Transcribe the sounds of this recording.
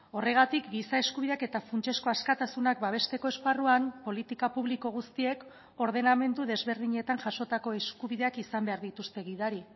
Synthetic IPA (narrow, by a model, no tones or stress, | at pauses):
o̞re̞ɣ̞at̪ikɡisae̞skuβiðe̞ake̞t̪afunt͡ʃe̞sko̞askat̪asunak̚baβ̞e̞st̪e̞ko̞esparuampo̞lit̪ikapuβ̞liko̞ɣ̞ust̪ie̞k | o̞ɾðe̞name̞nd̪uðe̞zβe̞ɾðiɲe̞t̪aŋʝaʃo̞t̪ako̞e̞skuβ̞iðeakisambe̞aɾðit̪ust̪e̞ɣiðaɾi